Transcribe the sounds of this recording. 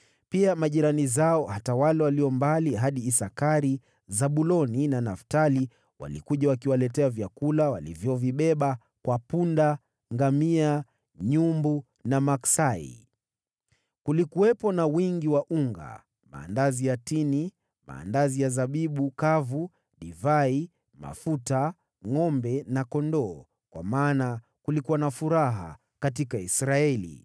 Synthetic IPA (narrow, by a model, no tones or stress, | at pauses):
piamaʄiɾanizaɔhatawalɛwaliɔmbaliɦaɗiːsakaɾi | zaɓulɔninanaftali | wa̰lḭkuʄawakiwalɛtɛavjakulawa̰lḭvjɔviɓɛɓa | kwapunda | ŋɡamia | ɲumbu | namaksaḭ | kulikuwɛpɔnawiŋɡiwaʔuŋɡa̰ | ma̰ːndazijatini | ma̰ːndazijazaɓiɓukavu | ɗivai | ma̰futa | ŋɔmbɛnakɔndɔː | kwa̰maːna | kulikuwanafuɾaɦa̰ | katikaisɾaɛlḭ